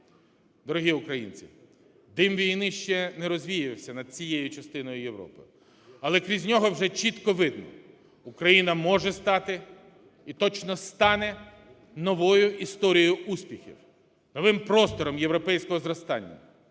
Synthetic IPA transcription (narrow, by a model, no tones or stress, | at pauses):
d̪ɔɾʊɦʲiʊkɾɐjḭnʲt͡sʲḭ | d̪ɪmʋʲijnɪʃt͡ʃɛnɛɾɔzʲʋʲijɪɪwsʲɐnɐd̪̥̚t͡sʲijejʊt͡ʃɐst̪ɪnɔjʊjewɾɔ̰pɪ̰ | ɐlˠɛkɾʲizʲnʲɔɦɔwʒɛt͡ʃit̪kɔʋɪd̪nɔ̰ | ukɾɐjinɐmɔʒɛst̪ɑt̪ɪ | it̪ɔt͡ʃnɔst̪ɑnɛ | nɔʋɔjʊʔist̪ɔɾʲijʊʔusʲpʲixʲḭw | nɔʋɪmpɾɔst̪ɔɾɔmjewɾɔpɛjsʲkɔɦɔzɾɔst̪ɑnʲːɐ̰